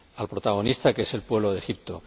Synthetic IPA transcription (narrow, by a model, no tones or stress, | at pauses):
alpɾo̞t̪aɣ̞o̞nist̪ake̞se̞lpwe̞β̞lo̞ðe̞xip̚t̪o̞